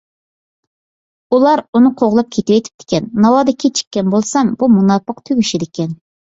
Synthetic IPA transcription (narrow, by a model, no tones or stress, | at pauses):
ulˠɑɾunɨqʰoʁlˠɑp̚kʲʰet̪ɪwɛt̪ʰɪ̥p̚t̪ʰɪ̥kʲʰɛnːɑwɑd̪ɪkʲʰet͡ʃʰi̥kʲːɛnbolˠsɑmbumunɑpːəqt̪ʰøɡʲyʃid̪ɪkʲʰɛn